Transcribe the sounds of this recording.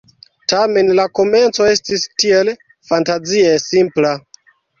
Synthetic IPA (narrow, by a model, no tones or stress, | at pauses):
tame̞nlako̞me̞nt͡so̞e̞stistie̞l | fantaziesimpla